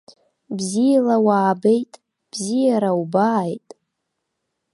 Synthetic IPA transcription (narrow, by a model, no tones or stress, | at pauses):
bzijalawaːbejtʼ | b̥zijaɾawubajtʼ